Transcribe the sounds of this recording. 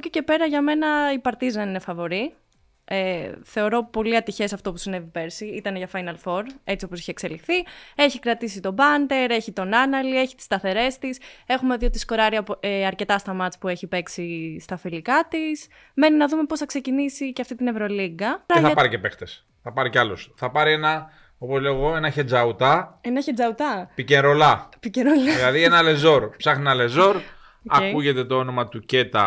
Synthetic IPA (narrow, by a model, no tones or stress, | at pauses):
cece̞pe̞ɾɐʝɐme̞nɐipɐɾt̪izðe̞nine̞fɐvo̞ɾi | eθe̞o̞ɾo̞po̞liɐt̪içe̞sɐft̪o̞pusine̞vipe̞ɾsiit̪ɐnʝɐfɐjnɐlfo̞ɾe̞t͡sio̞po̞si̥çekse̞lifθieçikɾɐt̪isit̪o̞bɐnd̪e̞ɾeçit̪o̞nɐnɐlieçi̥t̪i̥st̪ɐθe̞ɾe̞st̪ise̞xumeðjot̪isko̞ɾɐɾiɐeɐɾce̞t̪ɐst̪ɐmɐt̪spue̞çipe̞ksist̪ɐfilikɐt̪is | me̞ninɐðume̞po̞sθɐkse̞cinisiceɐft̪it̪inevɾo̞liɡɐɾɐeθɐpɐɾice̞pe̞xt̪es | θɐpɐɾiceɐlosθɐpɐɾie̞nɐ | o̞po̞zleoɣo̞e̞nɐçed͡zɐut̪ɐenɐçed͡zɐut̪ɐpiceɾo̞lɐpiceɾolɐilɐðienɐle̞zo̞ɾpsɐxninɐle̞zo̞ɾ | ɐ̰kuʝe̞t̪e̞t̪o̞o̞no̞mɐt̪uce̞t̪ɐ̰